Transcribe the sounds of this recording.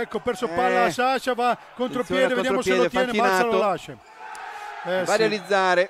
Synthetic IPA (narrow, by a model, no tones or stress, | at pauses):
ɛkːopeɾsopːalːasaʃavakːont̪ɾopjɛːd̪evejaamosjeɛːlot̪jɛːneianasːalolaʃe | ɛvaɾealid̪zːaːɾe